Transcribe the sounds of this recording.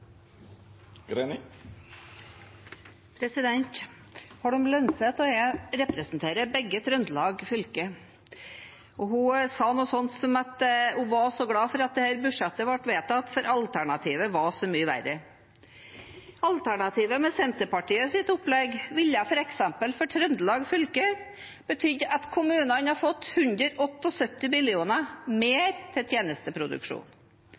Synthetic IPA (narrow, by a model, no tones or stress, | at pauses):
ɡɾe | pʰɾɛsɪd̪ɛnt̪ | hɑɖʉmlœnsət̪ɔɛɾɛpɾəsnt̪ʰeːɾəbɛɡːət̪ɾʉnd̪lɑːɡfʏlkə | ɔhʊsɑːnuːsɔnt̪sɔmɑt̪ʊʋɑʂɔɡɽɑːfɔɾɑt̪̚d̪ɛhæːɾbʉɖʂɛt̪ːəʋɑʈːʋeːt̪əɑt̪fɔɾʔɑlt̪ʰæɳɑt̪ʰiːʋəʋɑʂɔmyːəʋæ̰rə | ɑlt̪ʰæɳɑt̪ʰiːʋəmɛsɛnt̪əpɑʈiːəsɪt̪ʊplɛɡʋɪlːjɑfɔɾɛksɛmpəlfɔʈʰɾœnd̪əlɑːɡfʏlkə | b̥ət̪ʰʏd̪ːʔɑt̪kʰʊmʉːnənhɑfɔt̪ːhʉnd̪ɾəɾʔɔt̪ːɔsœt̪ːɪmɪlɪuːnəmeːɾt̪ʰɪlt̪ʰjeːnəst̪əpʰɾʊd̪ʉ̰kʂṵːn